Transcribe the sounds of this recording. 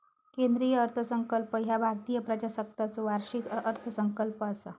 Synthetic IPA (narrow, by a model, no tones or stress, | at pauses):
kend̪ɾijəːɾt̪ʰəsəŋkəlpəɦjabʱaɾt̪ijəpɾəd͡ʑasək̚t̪at͡soʋaɾʂikʔəɾt̪ʰəsəŋkəlpəːsa